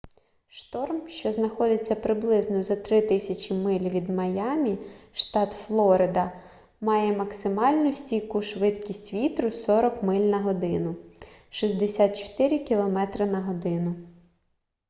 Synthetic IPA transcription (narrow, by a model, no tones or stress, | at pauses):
ʃt̪ɔrmʃt͡ʃɔznɐxɔd̪ɪt͡sʲːɐpɾɪblˠɪznɔjzɐt̪ɾɪt̪ɪsʲɐt͡ʃʲimɪlʲʋʲid̪mɐjɑmʲiʃt̪ɑt̪flˠɔɾɪd̪ɐ | mɑjɛmɐksɪmɑlʲnʊsʲtʲikʊʃʋɪt̪kʲisʲtʲʋʲit̪ɾʊsɔɾɔkmɪlʲnɐɦɔd̪ɪnʊʃizʲd̪esʲat̪̚t͡ʃɔ̥t̪ɪɾʲɪkʲilˠɔmɛt̪ɾɪnɐɦɔd̪ɪnʊ